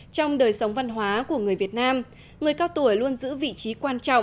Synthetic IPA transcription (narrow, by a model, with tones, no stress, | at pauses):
t͡ɕɔ˧wŋ͡mɗəː˨˩jsə˨˦wŋ͡mva˧nɦwaː˨˦ku˧˩əŋɨ˨˩əjvi˨˩ət̚naː˧m | ŋɨ˨˩əjkaː˧wt̪u˧˩əjlu˧ənzɨ̰˧˥vḭ˧˨t͡ɕi˨˦kwaː˧nt͡ɕɔ̰˧˨wŋ͡m